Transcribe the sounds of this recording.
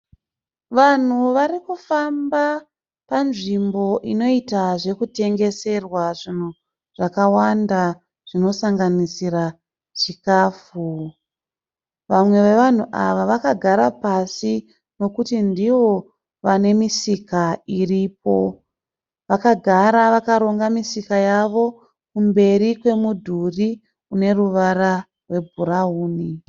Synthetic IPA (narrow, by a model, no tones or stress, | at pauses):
ʋan̤uʋarikufamba | panʐimbo̞ʔino̞itaʐe̞kute̞ŋɡe̞se̞rwaʐin̤u | ʐ̥akawanda | ʐ̥ino̞saŋɡanisira | ʐikaːfu | ʋamwe̞ʋe̞ʋan̤uʔaʋaʋakaɡʱaɾapasi | no̞kutindiʋo̞ | ʋane̞misikairip̚o̞ | ʋakaɡʱaɾaʋakaɾo̞ŋɡamisikajaʋo̞ | kumbe̞rikwe̞mudʱuri | une̞ruʋaɾa | rwe̞bʱuɾauːni